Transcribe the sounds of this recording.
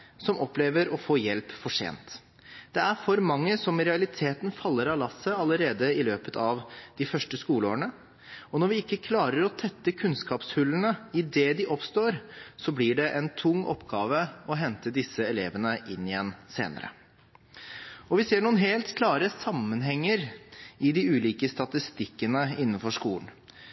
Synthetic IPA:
sɔmɔpleːʋəɾɔfoːjɛlpfɔʂḛːnt̪ | d̪̥ɛæɾfɔɾmɑŋːəsɔmɾɛɑlɪt̪ʰeːt̪ənfɑlːəɾɑlɑsːəɑləɾeːd̪əɪløːpət̪ʰɑʋd̪̥ɪfœʂʈəskuːloːɳə | ɔnɔɾʋɪɪkːəkʰlɑːɾəɾɔt̪ʰɛt̪ːəkʰʉnskɑːpshʉlːənəɪd̪ɛd̪ɪʔɔpst̪oːɾsɔblɪɖɛʔɛnt̪ʰʊŋːʔɔ̰pːɡɑːʋəɔɦɛnt̪əd̪ɪsəɛleːʋənəʔɪnːɪjɛnːsḛːnə̰ɾə̰ | ɔʋɪseːɳuːnɦeːlt̪kʰlɑːɾəsɑmːənɦɛŋːəɾɪd̪ɪʉːliːkəst̪ɑt̪ɪst̪ɪkːənəɪnːənfɔʂkuːlən

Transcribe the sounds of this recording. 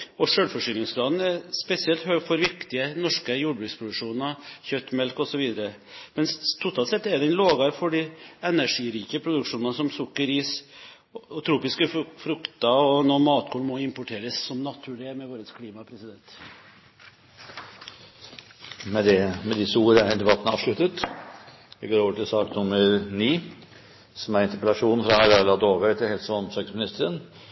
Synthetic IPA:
ɔʂøːlfɔʂʏːlɪŋslɑːd̪n̩ɛɾspɛsɪɛlt̪høːɡfɔɾʋɪkt̪ɪənɔʂkəjuːɖbɾʉːkspʰɾʊd̪ʉkʂuːnɑçœt̪ːmɛlkɔsɔʋiːd̪əɾə | mɛnst̪ʰʊt̪ʰɑːlt̪sɛt̪ːɛɖ̪ɛnloːɡɑɾfɔɖiɛnæʂiːɾiːkəpʰɾʊd̪ʉkʂuːnɑnsɔmsʊkːəɾiːs | t̪ʰɾuːpɪskəfɾʉkt̪ɑɔnɔmɑːt̪kʰuːɳmɔɪmpʊʈʰeːɾəsːɔmnɑt̪ʰʉːɭɪəmɛʋoːɾət̪skʰliːmɑpʰɾɛsɪd̪ɛnt̪ | mɛd̪ɛmɛd̪ɪsəuːɾəæɾd̪ɛbɑt̪ːənɑ̰ːʋʂɭʉt̪ət̪ | d̪ɛɡoːɾoːʋəʈʰɪlsɑːkt̪nʊməɾniː | sɔmæɾɪnt̪əplɑʂuːnfɾɑɑlɑlɑd̪oːʋət̪ʰɪlhɛlsəɔmsɑkəsmɪnɪst̪əɾən

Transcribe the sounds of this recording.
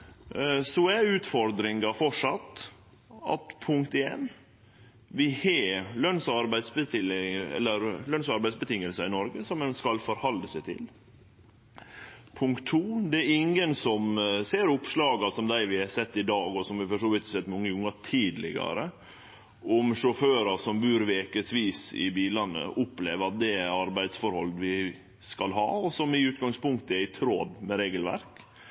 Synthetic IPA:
sɔæɾʉːt̪fɔɾd̪ɾɪŋɑfɔʂɑt̪ː | ɑ̰t̪pʰʊŋkt̪eːn | ʋɪheːlœnsɑɾbæɪsbət̪ɪlɪɛ̰lːəɾlœnsɑɾbæɪdsbət̪ʰɪŋːəlsəɪnɔɾɡəsɔmɛnskɑlfɔɾhɑld̪əsæt̪ʰɪ̰l | pʰʊŋkt̪ʰːuːd̪ɛæɾɪŋənsɔmseːɾʊpʂlɑːɡɑsɔmd̪æɪʋɪɑsɛt̪ːɪd̪ɑːɡɔsɔmʋɪfɔʂoːʋɪt̪sɛt̪ːmɔŋːəʊŋːɑt̪ʰiːd̪lɪ̰ɡɑ̰ɾə | ʔʊmʂɔføːɾɑsɔmbʉːɾʋeːkəsʋiːsɪ̰biːlɑnːə̰ʔʊpːleːʋəɾɑt̪̚d̪ɛɑɾbæɪd̪sfɔɾhɔ̰lʋɪ | skɑlɦɑ̰ːɔsɔmɪʉːt̪ɡɑŋspʊŋkt̪əæɪt̪ʰɾoːd̪mɛɾeːɡəlʋæ̰ɾk

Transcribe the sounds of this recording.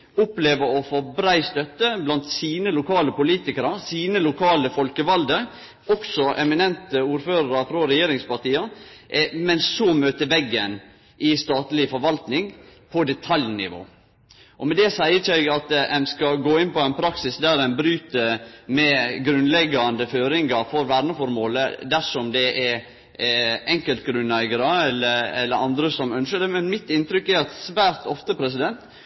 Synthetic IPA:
ʊpleːʋəɾɔfɔbɾæɪst̪œt̪ːəblɑnt̪siːnəlʊkʰɑːləpʊliːt̪ɪkəɾɑsiːnəlʊkʰɑːləfɔlkəʋɑld̪ə | ɔksɔʔɛmɪnɛnt̪əuːɾføːɾəɾɑfɾɔɾɛjeːɾɪŋspɑʈ̪iːɑ | mɛnsomøːt̪əʋɛɡːən | ʔɪst̪ɑːt̪lɪfɔɾʋɑlt̪nɪŋpʰɔd̪ɛt̪ʰɑljnɪ̰ʋo̰ː | ʔɔmɛd̪ɛsæɪət͡ʃæɪɡɑt̪ɛnskɑɡoːɪnpɔæɪnpʰɾɑksɪsd̪æɾɛnbɾyːt̪əɾmɛɡɾʉnlɛɡːɑnd̪əføːɾɪŋɡɑɾfɔɾʋæːɾɳəfɔɾmoːləd̪æʂɔmd̪ɛʔɛ | ɛŋkəlt̪ɡɾʉnæɪɡəɾəɛlːəɾɛ̰lːəɾɑnd̪ɾəsɔmœnʃəɖ̪ɛmɛnmɪt̪ɪnt̪ɾʏkːɛɾɑt̪sʋæːɾt̪ɔft̪əpʰɾɛs̬ɪd̪ɛnt̪

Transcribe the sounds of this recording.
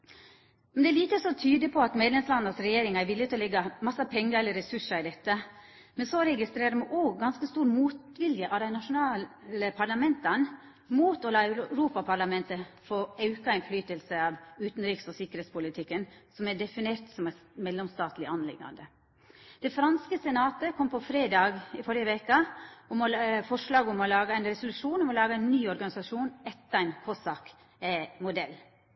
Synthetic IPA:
mɛnd̪ɛːɭiːt̪əsɔt̪ʰyːd̪əpʰɔɑt̪meːd̪lɛmslɑd̪nəsɾɛjeːɾɪŋæɾʋɪlːɪt̪ɪlɔlɛɡːɑmɑsːɑpʰɛŋːəɾɛləɾɛsʉʂəɾɪd̪ɛt̪ːə | mɛnsoɾɛɡɪst̪ɾeːɾəmɛʔoːɡɡɑnskəst̪uːɾmuːt̪ʋɪljəʔɑd̪æɪnɑʂʊnɑːəpʰɑlɑmɛnt̪ɑn | muːt̪ɔlɑːœɾuːpɑpʰɑɭɑmɛnt̪əfoɑʉkɑæɪnflyːt̪əlsəɑʋʉːt̪n̩ɾiːksɔsɪkːəɾheːt̪spʊlɪt̪ʰɪkːənsɔmæɖɛfɪneːɾt̪sɔmæmɛlːɛmst̪ɑːt̪lɪʔɑnlɪ̰ɡ̪ːɑ̰nd̪ə | d̪̥ɛfɾɑnskəsɛnɑːt̪əkʰɔmpʰɔfɾeːd̪ɑːɡɪfɔɾjəʋɛːkəʊmɔfɔʂlɑːɡʊmɔlɑːɡəæɪnɾɛsʊlʉʂuːnɔmɔlɑːɡəæɪnːyːɔɾɡɑnɪsɑʂuːnɛt̪ːəæɪnkʰɔsɑk | mʊd̪ɛlː

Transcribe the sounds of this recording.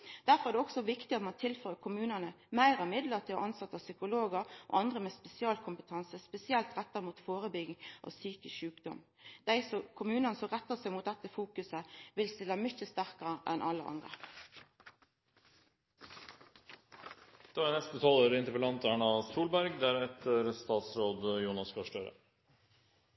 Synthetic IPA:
d̪̥æɾfɔʁæːd̪ɛɔksɔʋɪkt̪ɪɑt̪mɑnt̪ʰɪlføːʁəkʰʊmʉːnənə | mæɪʁɑmɪd̪ləʁt̪ʰɪlɔ̰ʔɑnsɑt̪ːɑʋsʏkʊloːɡəɾʔo̰ːʔɑnd̪ʁəmɛːspɛsɪɑːlkʰʊmpət̪ʰɑnsəspɛsɪɛlt̪ʁɛt̪ːəʁəmuːt̪foːɾəbʏɡɪŋʔɑ̰ʋsyːkəʃʉːkd̪ɔ̰m | d̪̥æɪsɔkʰʊmʉːnənəsɔʁɛt̪ːəsæɪmʊt̪̚d̪ɛt̪ːəfuːkʉsəʋɪlst̪ɪlːəmʏçəst̪æʁkəʁəʔɛnʔɑ̰lːə̰ʔɑ̰nd̪ʁə̰ | d̪̥ɛʋːɾnɛst̪ət̪ʰɑːloːɾɪnt̪əpəlɑnt̪æːɳɑsuːlbæɾɡd̪æɾɛt̪ʰəɾst̪ɑːt̪sɾoːd̪juːnɑskʰɔʂʈøːɾə̰

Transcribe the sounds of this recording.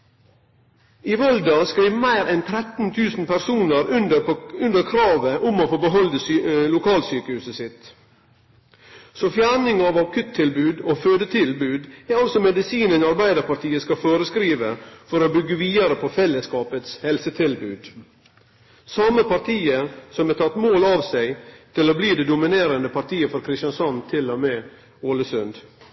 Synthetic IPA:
ɪʋɔld̪ɑskɾiːʋmæɪɾɛnt̪ʰɾɛt̪n̩t̪ʰʉːsn̩pʰæɾsuːnəɾʉnəʉnd̪əɾkʰɾɑːʋəʔʊmoːfoːbəɦɔld̪əlʊkʰɑːlsyːkəhʉːsəsɪt̪ | sofjæːɳɪŋɑʋɑkʰʉt̪ʰːɪlbʉːd̪oːføːd̪ət̪ʰɪlbʉːd̪æɑlsɔmɛd̪ɪsiːnənɑɾbæɪd̪əɾpɑɾt̪ʰiːəskɑfoːɾəskɾiːʋəfɔɾoːbʏɡːəʋiːd̪ɑɾəpʰɔfɛlːəskɑːpət̪shɛlsət̪ʰɪlbʉːd̪ | sɑməpɑɾt̪ʰiːəsɔmɛt̪ʰɑt̪ːmoːlɑʋsæɪt̪ʰɪloːbliːd̪ɛd̪ʊmɪneːɾənd̪əpʰɑɾt̪iːəfɔɾkʰɾɪst̪jɑnsɑnt̪ʰɪlːɔmeː | oːləsʉnd̪

